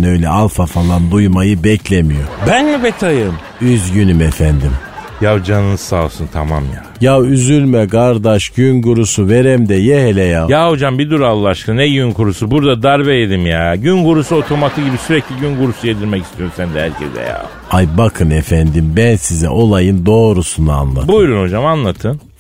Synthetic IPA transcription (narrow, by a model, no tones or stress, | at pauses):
nø̞jlʲɛalˠfafalˠand̪ujmajɯbɛclʲemijo̞bænlɛbet̪ʰajɯm | yzɟynymefænd̪im | javd͡ʒanɯnɯsaːsunt̪ʰamamja̰ | javyzylʲmɛɡaɾd̪aʃɟ̥ynɡuɾusuve̞ɾɛmd̪ɛjehelʲɛjajahod͡ʒambid̪uɾalˠːaʃkʰɯnɛɟynkʰuɾusubuɾd̪ad̪aɾbejed̪imjaɟynɡuɾusuot̪ʰo̞mat̪ʰɯɟibisyɾɛclʲiɟynɡuɾusujed̪iɾmɛcist̪ʰijo̞ɾsænd̪ɛhæ̰ɾcʰɛ̰zɛ̰ja̰ | ajbakʰɯnefænd̪imbænsizɛ̰ʔo̞lˠajɯnd̪o̞ːɾusunua̰nlˠa̰tbujɾunho̞d͡ʒamanlˠat̪ʰɯn